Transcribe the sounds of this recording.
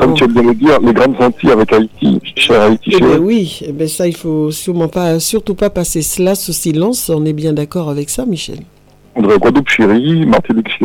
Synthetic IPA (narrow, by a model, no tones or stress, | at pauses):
kɔmt̪yɛmbjɛ̃ləd̪iːʁleɡʁɑ̃d̪sɑ̃t̪iavɛkait̪ʰḭʃɛʁait̪ieɛ̃wiebɛ̃sailfosyʁmɑ̃pasyʁt̪upapasesəlasəsilɑ̃sɔ̃nɛbjɛ̃d̪akɔʁavɛksamiʃɛ̰l | ɑ̃d̪ʁeɡwad̪upʃiʁima̰ʁt̪ilikʃi